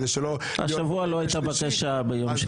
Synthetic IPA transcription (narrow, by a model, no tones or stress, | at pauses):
zeʃelo | a̰ʃavualoajit̪abakaʃabejomʃ